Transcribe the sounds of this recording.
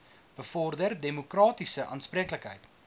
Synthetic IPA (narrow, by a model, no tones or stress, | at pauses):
b̥əfɔrdərdemokrɑːtisəʔɑːnsprikləkɦəjt